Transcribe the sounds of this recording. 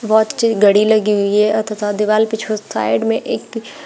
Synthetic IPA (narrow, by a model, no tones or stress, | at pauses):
bɔːt̪t͡ʃiɡɐɽilɐɡiɦʊiɦɛɐt̪ət̪ʰad̪ɪʋaːlpɪt͡ʃʰosa̰ːɪɖmẽʔeːk